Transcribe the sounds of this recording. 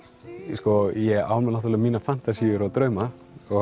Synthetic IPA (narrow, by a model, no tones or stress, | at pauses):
skɔjɛa̰wlmɛnnat̪uɾlɪamiːnafan̥t̪asiʏɾat̪ɾœːɥma | ɔ